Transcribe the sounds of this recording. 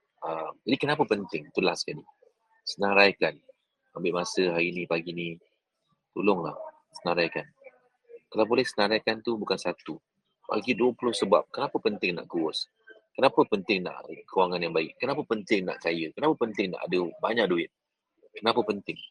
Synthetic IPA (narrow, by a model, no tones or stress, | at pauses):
əmd͡ʒadikənapəpənt̪ɪŋt̪ulaskali | sənãɾajkan | ambɪʔmasəɦainĩpaɡini | t̪ulʊŋla̰h | sənaɾajkan | kalawbolɛhsənaɾajkant̪ubukansat̪u | pa̰ɡiduəpulʊhsəba̰p̚kənapəpənt̪ɪŋna̰ʔkuʊs | kənapəpənt̪ɪŋna̰ʔkəwaŋanjaŋbaɪʔkənapəpənt̪ɪŋna̰ʔkajəkənapəpənt̪ɪŋna̰ʔa̰dəbaɲak̚duɪt̪̚ | kənapəpənt̪ɪŋ